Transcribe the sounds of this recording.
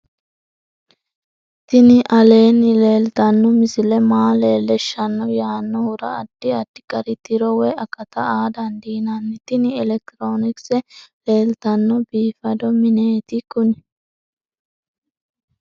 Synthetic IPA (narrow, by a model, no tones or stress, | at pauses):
t̪ɪnɪʔɐle̞ːnːɪle̞ːlt̪ɐnːɔmɪsɪlɛmaːleːlːɛʃːɐnːɔjaːnːɔhʊɾɐ̰ːd̪̥ːɪɐd̪̥ːɪ̥kʼɐɾɪt̪ɪɾɔwɛɐkːɐt̪ɐaːd̪ɐnd̪iːnɐnːɪt̪ɪnɪɛlɛk̚t̪ɪɾo̞ːnɪksɛle̞ːlt̪ɐnːɔbiːfɐd̪ɔmɪneːt̪ɪkʊnɪ